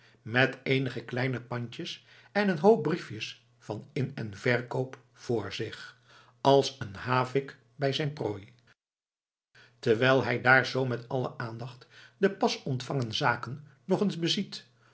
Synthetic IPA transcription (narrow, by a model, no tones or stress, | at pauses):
mɛtejnəχəklɛjnəpɑɲt͡ʃəs | ɛnənɦowp̚brifjəs | fɑnɪnɛnvɛɹkowp | fʊːɹzɪχ | ɑlˠsənhaːvɪk | bɛjzɛjnproːj | təʋɛjlˠɦɛjdaːɹzowmɛtɑlə̰ʔaːndɑχtdəpɑsɔntfɑŋəndəzaːkənː | ɔχənzbəzit